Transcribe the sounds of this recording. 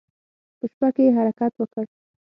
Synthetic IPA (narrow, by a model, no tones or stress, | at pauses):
pəʃpakeɦaɾakat̪wəkəɽ